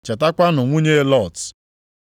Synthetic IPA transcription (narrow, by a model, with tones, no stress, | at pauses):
t͡ʃe˨ta˦kʷa˦nʊ˨ŋʷu˦ɲe˦lɔ˦˨t